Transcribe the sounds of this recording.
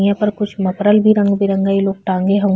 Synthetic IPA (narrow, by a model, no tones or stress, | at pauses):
jãpɐɾkʊt͡ʃʰmɐpɾəlbʱiɾɐ̃ŋɡbʱiɾɐ̃ŋɡaːiloːɡ̚ʈãːŋɡeɦɐʋ̃